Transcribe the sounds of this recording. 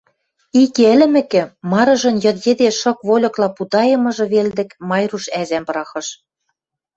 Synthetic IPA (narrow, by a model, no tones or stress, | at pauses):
ikeɘ̆lʲɘ̆mɘ̆kɘ̆mɑɾɤ̆ʒɤ̆njɤ̆t̪jĕd̪eʃɤ̆kβolʲɤ̆klɑput̪ɑjɤ̆mɤ̆ʒɤ̆βeld̪ɘ̆kmɑjruʃæzæmpɾɑxɤ̆ʃ